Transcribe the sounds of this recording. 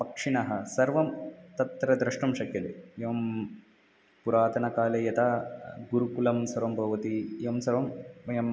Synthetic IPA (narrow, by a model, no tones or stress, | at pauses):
pɐkʂiɳɐɦɐsɐɾʋɐmt̪ɐt̪ɾɐd̪ɾɐʂʈɐmʃɐkjɐleɐʋɐm | puɾaːt̪ɐnɐkaːlejɐt̪aːɡuɾukulɐmsɐɾʋɐmbʱɐʋɐt̪iʋɐmsɐɾʋɐmːɐjɐm